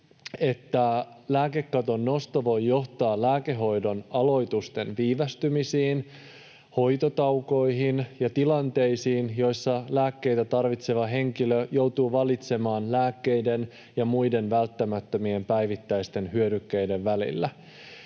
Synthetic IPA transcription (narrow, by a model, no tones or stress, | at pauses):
e̞t̪ːælæːke̞kːɑt̪o̞nːo̞st̪ɑʋo̞jːo̞ht̪ɑːlæːkeɦo̞jdo̞nɑlo̞jt̪ust̪e̞nʋiːʋæst̪ymisiːn | ho̞jt̪ot̪ɑwko̞iɦinjɑt̪ilɑnt̪e̞jsiːnjo̞jsːɑlæːkːe̞jt̪æt̪ɑrʋit̪se̞ʋɑɦe̞ŋkiløjowt̪uːʋɑlit̪se̞mɑːnlæːkːe̞jde̞n | jɑmujde̞nʋælt̪ːæmæt̪ːømie̞mpæjʋit̪ːæjst̪e̞nhyødykːejde̞ʋːælḭlːæ